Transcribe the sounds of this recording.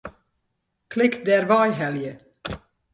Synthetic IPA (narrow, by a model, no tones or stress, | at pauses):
kʰlɪk̪̚d̪eæːɾʋɑɪhɛljə